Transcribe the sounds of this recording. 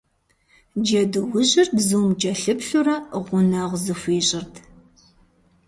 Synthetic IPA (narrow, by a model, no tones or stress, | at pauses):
d͡ʒɐdɨwʊʑɪrtzuːmd͡ʒʼɐɬɨpɬurɐʁʷʊnɐʁʷzɨfʷeːɕʼɪrtʰ